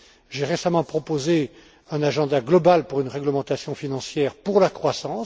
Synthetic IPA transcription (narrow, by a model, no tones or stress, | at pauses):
ʒeʁesamɑ̃pχɔpoze | ɛ̃naʒɑ̃d̪aɡlɔbalpuʁynʁɛɡləmɑ̃t̪asjɔ̃finɑ̃sjɛʁpuʁlakχwasɑ̃